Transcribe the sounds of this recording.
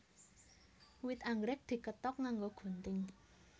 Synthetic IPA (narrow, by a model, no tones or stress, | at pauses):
wɪt̪aŋɡɾɪk̚d̪̥i̤kət̪ɔk̚ŋaŋɡoɡ̥o̤nt̪ɪŋ